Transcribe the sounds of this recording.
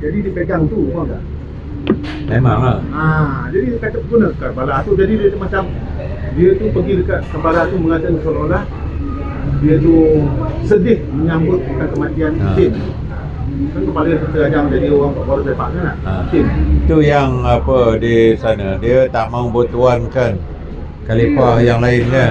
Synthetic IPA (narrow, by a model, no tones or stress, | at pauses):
d͡ʒadidiəpəɡaŋt̪ukaŋɡa̰ʔ | mema̰ŋlaad͡ʒadidkat̪əp̪̚ɡunəəkarbalaːt̪ud͡ʒadidiət̪umat͡ʃam | diət̪upəɡidəkat̪̚kəmbaɾat̪uməŋat̪ənəsəlolah | diət̪usədɪhməɲambʊt̪̚ək̪ankəmat̪ianisɪm | kankəmpaləək̪ət̪əɡad͡ʒaŋd͡ʒadioɣaŋpaʔbaɾəsapa̰ʔŋanaisɪmit̪ujaŋapədisanadiət̪aʔmaubot̪uankan | kalipahjaŋlaɪnlə